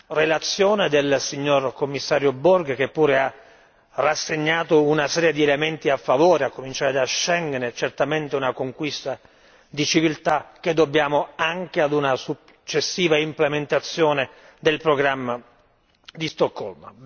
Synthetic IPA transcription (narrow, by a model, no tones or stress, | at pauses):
relat̪sːjoːned̪elsiɲːorkomːisːaːɾjobɔrɡk̟epːuːɾea | rːasːeɲːaːt̪ounasɛːɾjed̪ielement̪iafːavɔːɾeakːomint͡ʃaːɾed̪aʃːɛŋɡnet͡ʃert̪ament̪eunakoŋkwist̪a | d̪it͡ʃivilt̪ak̟ːed̪ːobːjaːmoaŋkead̪unasu | t͡ʃːesːiːvaimplement̪at̪sːjoːned̪elpɾoɡɾamːa | d̪ist̪ɔkːɔ̰lm